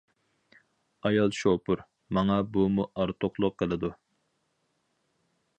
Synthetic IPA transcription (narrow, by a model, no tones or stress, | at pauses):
ɑjɑlˠʃopuɾ | mɑŋɑbumuʔɑɾt̪ʰoqlˠʊqʰːəlˠɪd̪u